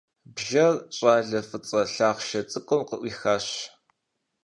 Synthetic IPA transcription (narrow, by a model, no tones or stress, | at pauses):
bʒɐrɕʼaːɮɐfɨt͡sʼɐɬaːʁʃɐt͡sʼɨkʷʼɔmqəʔʷiːxaːɕ